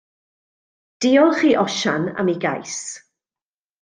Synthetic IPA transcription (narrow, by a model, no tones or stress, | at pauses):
d̥iːɔlˠχiːʔɔʃana̰miɡa̰js